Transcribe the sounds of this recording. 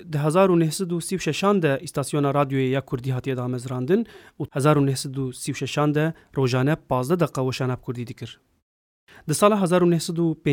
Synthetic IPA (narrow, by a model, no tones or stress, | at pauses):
d̪ɨɦɛzɑːɾunɛhsɛd̪usiːwʃɛʃɑːnd̪ɛʔist̪ɑːsijoːnɑːɾɑːd̪joːjejɑːkʰʊɾd̪iːɦɑːt̪ijɛd̪ɑːmɛzɾɑːnd̪ɨnuːhɛzɑːɾunɛhsɛd̪usiːwʃɛʃɑːnd̪ɛ | roːʒɑːnɛpɑːzd̪ɛd̪ɛqɑwɛʃɑːnɑːb̚kʰʊɾd̪iːd̪ɨkɨɾ | d̪ɨsɑːlɑːɦɛzɑːɾunɛhsɛd̪upeː